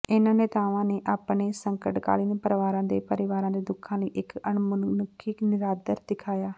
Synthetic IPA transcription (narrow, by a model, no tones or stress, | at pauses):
ɪnãːneːt̪aːʋãːneːʔaːpneːsəŋkəʈka̰ːliːneːpəɾʋaːɾãːd̪eːpəɾɪʋaːɾãːd̪eːd̪ʊkʰãːləiːʔɪkənmʊnkʰɪknɪɾaːd̪əɾd̪ɪkʰaːjaː